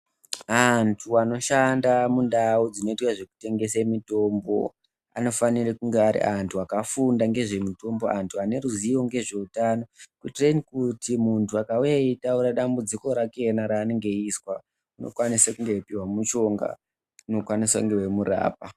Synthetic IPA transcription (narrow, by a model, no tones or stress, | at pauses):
antʰuano̞ʃandamundaud͡zino̞itwaʐe̞ku̥te̞ŋɡe̞semito̞mbo̞̰ | a̰no̞fanirekuŋɡeaɾḭʔantʰuakafundaŋɡe̞ʐe̞mito̞mbo̞antʰuane̞ɾuziʋo̞ŋɡe̞ʐe̞utano̞kutrenikutimuntuakaujaitauɾaɗambud͡ziko̞ɾake̞naɾaːneŋɡe̞iswa | uno̞̰kwanisakuŋɡe̞ipiwamut͡ʃo̞ŋɡa̰ | unokwaniswa̰kuŋɡewe̞mura̰ːp̚a